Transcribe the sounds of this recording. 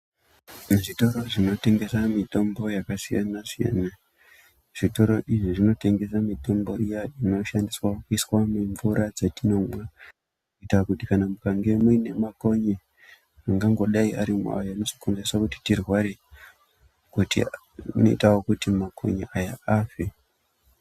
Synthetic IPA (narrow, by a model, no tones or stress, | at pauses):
ʐito̞ɾo̞ʐino̞te̞ŋɡe̞samito̞mbo̞jakasija̰nasija̰na | ʐ̥ito̞ɾo̞ʔiʐiʐino̞te̞ŋɡe̞samito̞mbo̞rijaino̞ʃandiswaokuiswameɱvuɾad͡zetino̞mwa | uitakutikanamukaŋɡe̞mwine̞mako̞ɲe | aŋɡaŋɡo̞ɗaiaɾimua̰jano̞so̥konzeswakuti̥tirwaɾe | kutḭ | no̞̰ḭtawokutimakʰo̰ɲḛʔajaaːfe